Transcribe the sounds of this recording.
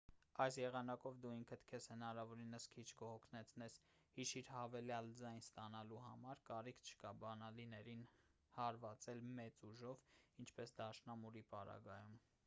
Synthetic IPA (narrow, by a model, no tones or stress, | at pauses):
ɑjsjɛʁɑnɑkɔvd̪uiŋkʰət̪ʰkʰɛshənɑɾɑvɔɾinəskʰit͡ʃʰkɔhɔkʰnɛt͡sʰnɛshiʃiɾhɑvɛljɑld͡zɑjnst̪ɑnɑluhɑ̰mɑɾkɑɾikʰt͡ʃʰə̥kɑbɑnɑlinɛɾin | hɑɾvɑt͡sɛlmɛt͡suʒɔvint͡ʃʰpɛsd̪ɑʃnɑmuɾipɑɾɑ̰ɡɑjum